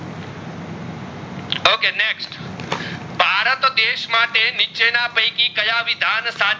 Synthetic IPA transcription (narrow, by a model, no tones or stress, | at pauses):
okeneksʈ | bʱaɾət̪d̪eʃmaʈenit͡ʃenapə̃jkikəjaʋid̪ʱansa